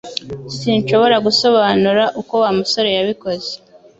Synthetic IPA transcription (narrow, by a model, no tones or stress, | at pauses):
sinʃo̞βo̞ɾaɡuso̞βaːnuɾaʔuko̞waːmuso̞ɾe̞jaβiko̞ze̥